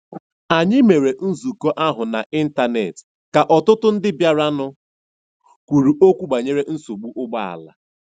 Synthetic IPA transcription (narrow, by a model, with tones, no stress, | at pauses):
a˨ɲɪ˦me˨ɾe˨n̩˦zu˨ko˦ʔa˦ɦʊ˨na̰˨ʔi˦n̩˦ta˨nḛ˨t | ka˨ʔɔ˨tʊ˦tʊ˦n̩˦dɪ˦bja˦ɾa˦nʊ˦ | kʷu˨ɾu˨ʔo˦kʷu˦ɡ͡ba˨ɲe˦ɾe˦n̩˦so˨ɡ͡bu˦ʔʊ˦ɡ͡ba˦a̰˨la̰˨